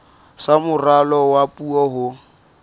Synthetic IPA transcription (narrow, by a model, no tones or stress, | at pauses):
samʊralɔwapʼuɔɦʊ